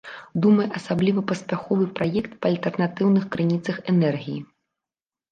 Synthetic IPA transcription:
d̪umɐjʔɐsablʲivɐpɐsʲpʲaxɔvɨpɾajɛkt̪pɐːlʲt̪ɛrnat̪ɨwnɨxkɾɨnʲit̪sɐxɛnɛrɣʲiji

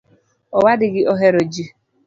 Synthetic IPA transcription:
ɔwadɪɡɪʔoɦeɾod͡ʒi

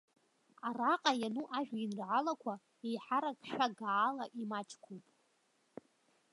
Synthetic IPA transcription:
araqʼajanuʔaʒᶣinrʕalakʷʰa | ejħaɾakʰʼʃᶣaɡaːlaʔimat͡ʃʰʼkʷʰupʼ

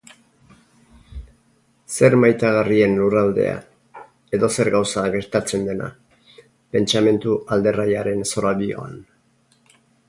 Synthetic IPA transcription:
se̞ɾmajt̪aɣ̞arie̞nlurald̪e̞̰a̰ | e̞ðo̞se̞ɾɣawsaɣe̞ɾt̪at͡se̞nd̪e̞na̰ | pe̞nt͡ʃame̞nt̪uʔald̪e̞rajaɾe̞nso̞ɾaβio̞̰a̰n

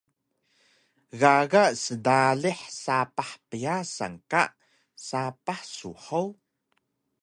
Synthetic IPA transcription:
ɣaɣasədaɮiħsapaħpəjasa̰ŋka̰ʔ | sapaħsṵħaw

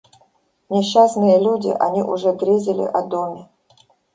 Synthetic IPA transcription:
nʲɪɕːasnɨjəlʲudʲɪ̰ʔɐnʲiʔʊʐɛd̪ɾʲezʲɪlʲɪ̰ʔɐd̪omʲɪ

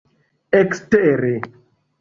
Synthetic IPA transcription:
ɛkstɛɾe

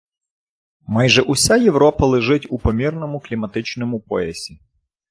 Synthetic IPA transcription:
majʒɛʔʊsʲajewɾɔpɐlˠeʒɪtʲupɔmʲirnɔmʊklʲimɐt̪ɪt͡ʃnɔmʊpɔɛ̰sʲi

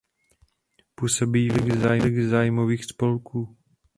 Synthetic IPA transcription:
pusobiːlɪɣzaːjlɪɣzaːjmoviːxspolkuː

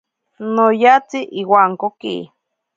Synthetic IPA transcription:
nojat͡siʔiwaŋkokḭ

